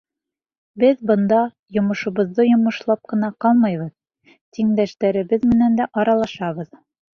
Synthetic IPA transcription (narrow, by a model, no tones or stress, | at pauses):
bɘðbɤ̆nd̪ɑ | jŏmɤ̆ʃŭβɤ̆ðːɤjŏmɤ̆ʃlˠɑp̚qɤ̆nɑqɑlˠmɤjβɤð | t̪iŋd̪æʃt̪æɾɘ̆bɘðmɘ̆nænd̪æʔɑɾɑlˠɑʃɑβɤð